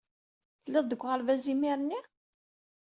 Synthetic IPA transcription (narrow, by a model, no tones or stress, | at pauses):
θəlːɪðˤd̪əkʷːʁəlvæzimiɾənːi